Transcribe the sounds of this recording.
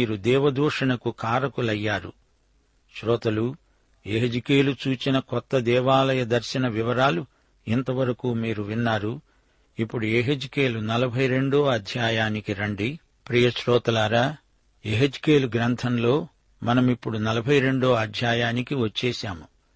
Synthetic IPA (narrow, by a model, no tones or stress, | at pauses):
iːɾud̪ɛːʋɐd̪uːʂɐnɐkukaːɾɐkulɐjːaːɾṵ | ʃɾɔːt̪ɐlu | eɦed͡ʒike̞ːlut͡ʃuːt͡ʃinɐkɔt̪ːɐd̪ɛːʋaːlɐjɐd̪ɐɾʃɐnɐʋiʋɐɾaːlu | int̪ɐʋɐɾɐkuːmiːɾuʋinːaːɾu | ipːuɽueɦed͡ʒikeːlunɐlɐbʱɐjɾe̞ɳɖo̞ːɐd̪ʱjaːjaːnikiɾɐɳɖi | pɾiːjɐʃɾɔːt̪ɐlaɾaː | eɦed͡ʒi̥ke̞ːluɡɾɐnt̪ʰɐnlo̞ː | mɐnɐmipːuɽunɐlɐbʱɐjɾe̞ɳɖo̞ːɐd̪ʱjaːjaːnikiʋɐt͡ʃːɛːʃaːmu